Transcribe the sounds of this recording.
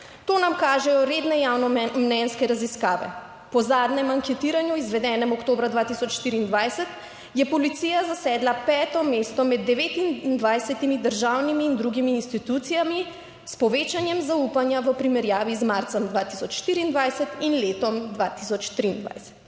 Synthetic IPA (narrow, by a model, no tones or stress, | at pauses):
t̪oːnamkaːʒɛjɔɾed̪nɛjawnɔmnɛnskɛɾaziskaːʋɛ̰ | pɔzaːd̪nɛmaŋkɛt̪iːɾanjuizʋɛd̪ɛːnɛmɔkt̪oːbɾad̪ʋat̪isɔt͡ʃʃt̪iɾiːnd̪ʋajsɛt̪ | jɛpɔlit̪sijazasɛd̪lapɛːt̪ɔmest̪ɔmɛd̪ːɛʋet̪ind̪ʋajsɛt̪imid̪əɾʒawnimiːnd̪ɾuɡimiːnst̪it̪ut̪sijami | spɔʋet͡ʃanjɛmzaupanjaʋəpɾimɛɾjaːʋizmaɾt̪sɛmd̪ʋat̪isɔt͡ʃʃt̪iɾiːnd̪ʋajsɛt̪inleːt̪ɔmd̪ʋat̪is̬ɔt͡ʃt̪ɾiːnd̪ʋa̰jsɛ̥t̪